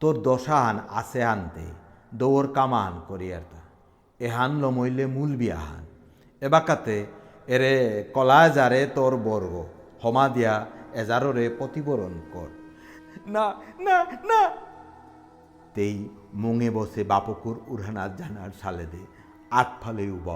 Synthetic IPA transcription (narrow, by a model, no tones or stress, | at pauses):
t̪oɾd̪ɔʃaɦana̰seɦant̪ḛ | d̪owoɾkamaɦankoɾia̰ɾt̪a | eɦanlɔmojlemulbia̰ɦa̰n | ebakat̪eː | ɾekɔlaed͡ʑaɾet̪oɾbɔɾɡo | hɔmad̪ijaɛd͡ʑaɾoɾepɔt̪ibɔɾonkɔ̰ɾ | nanana | t̪ejmoŋebɔsebapokuɾuɾɦanaɾd͡ʑanaɾsaled̪e | at̪̚pʰalejuba̰